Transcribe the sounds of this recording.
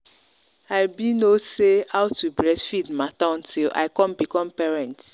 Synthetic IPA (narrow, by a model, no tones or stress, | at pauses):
aɪbinoseaʊtubɾɛsfidmatãn̩tʰilʔa̰ɪkɔ̃mbikɔ̃mpɛɹɛ̃nt